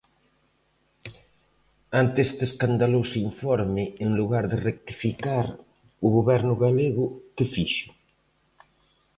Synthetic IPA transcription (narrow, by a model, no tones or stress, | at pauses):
ant̪est̪eskand̪alowsiɱfɔɾmɪːŋluɣaɾðɪrek̚t̪ifikaɾ | ʊɣoβɛɾnʊɣaleɣʊkɪfiʃʊ̥